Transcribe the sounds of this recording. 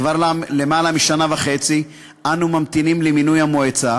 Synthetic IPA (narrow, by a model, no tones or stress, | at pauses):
vaʁalemaːlamiʃanavaχe̞t͡si | ʔanumamt̪inimleminujhamoet͡sa